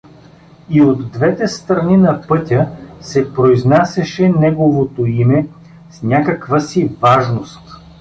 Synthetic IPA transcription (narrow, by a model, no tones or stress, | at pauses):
iod̪ːvɛt̪ɛst̪ɾɐninɐpɤt̪ʲəsɛpɾoiznasɛʃɛnɛɡovot̪oimɛ | snʲakɐkvəsivaʒnost̪